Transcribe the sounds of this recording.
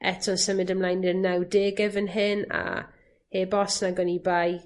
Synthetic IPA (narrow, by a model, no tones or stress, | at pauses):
ɛ̰tʰɔnsəmɪdəmlˠajndɪrnawdeːɡɛvənɦɪna̰ | heːbɔsnaɡɔnibaj